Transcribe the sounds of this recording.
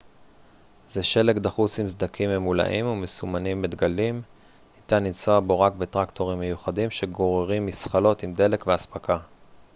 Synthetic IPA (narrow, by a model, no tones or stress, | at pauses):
zeʃe̞lekd̪aχusimzd̪akʰimemula̰ʔimumesumanimːed̪ɡalim | hit̪anit͡soabo̞ʁak̚be̞t̪ʁakt̪o̞ʁimːejuχadimʃe̞ɡo̞ʁeʁimːisχalo̞t̪imd̪e̞le̞kveaspaka